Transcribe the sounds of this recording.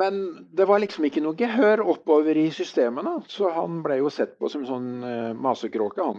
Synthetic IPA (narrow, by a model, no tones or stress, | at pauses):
mɛnd̪ɛʋɑɾɭɪksɔmɪkːənuːɡəɦøːɾɔpːoːʋəɾɪsʏst̪eːmənəsɔhɑnblɛjʊsɛt̪ːpʰɔ̰sɔmɛnsɔnːmɑːsəkʰɾoːkəhɑn